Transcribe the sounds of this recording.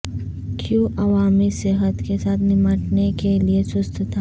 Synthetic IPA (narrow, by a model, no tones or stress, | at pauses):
kʰjuːʔɐʋaːmisɪɦət̪kesaːt̪ʰnɪməʈnekeliesʊst̪t̪ʰa